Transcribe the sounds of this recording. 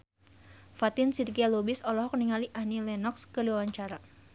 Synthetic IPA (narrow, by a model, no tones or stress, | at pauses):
fat̪ɪnsirɡialobisɔlɔɦɔk̚niŋaliʔahnilɛnɔkskəliwawaɲt͡ʃaɾa